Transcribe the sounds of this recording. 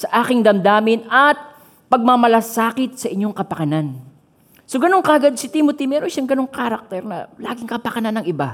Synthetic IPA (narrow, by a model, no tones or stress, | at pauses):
sɐʔaːkɪŋd̪ɐmd̪aːmɪnɐt̪̚ | pɐɡ̚mɐmɐlasaːkɪt̪̚sɐʔɪɲːo̞ŋkɐpɐkɐnan | soɡɐno̞ŋkɐɡad̪̚sɪt̪imot̪imɛːɾoʃaŋɡɐno̞ŋkaːɾɐk̚t̪ɛɾnɐ̰laːɡɪŋkɐpɐkɐnanːɐŋʔɪba